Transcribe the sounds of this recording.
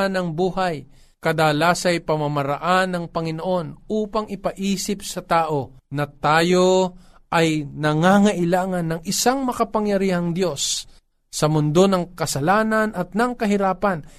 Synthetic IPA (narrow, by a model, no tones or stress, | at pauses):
nɐŋbuːhaj | kɐd̪alaːsɐjpɐmɐmɐɾɐʔanːɐŋpɐŋɪnoʔo̞nuːpɐŋʔɪpɐʔiːsɪp̚sɐt̪aːʔo̞nɐt̪aːjo̞ | ʔɐjnɐŋaŋɐʔɪlaːŋɐnːɐŋʔɪsaŋmɐkɐpɐŋjɐɾiːhɐŋd̪jo̞sː | ɐmʊnd̪o̞nɐŋkɐsɐlaːnɐnɐt̪̚nɐŋkɐɦɪɾaːpɐn